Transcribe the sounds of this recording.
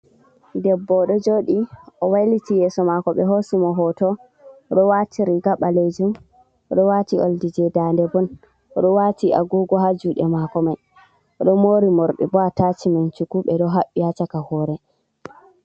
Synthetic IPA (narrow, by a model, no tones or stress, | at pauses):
dɛbːɔɗɔd͡ʒoːɗiʔɔwajlitijɛsɔmakɔɓɛɦosimɔɦɔtɔ | ɗɔwatʰiɾiɡaɓaled͡ʒum | ɔɗɔwatio̰ldid͡ʒɛdandɛbɔn | ɔɗɔwatiʔa̰ɡɔɡɔɦad͡ʒuɗɛ̰makɔmaj | ɔɗɔmoːɾimɔɾɗɛ̰bɔatat͡ʃimant͡ʃukuɓɛɗɔɦaɓːiat͡ʃakahɔɾɛ